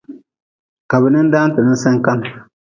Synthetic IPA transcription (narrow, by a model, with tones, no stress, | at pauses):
ka˨bɨ˨nɨ˦n˦daː˦n˦tɨ˨nɨ˦n˦sɨ˦ŋka˦n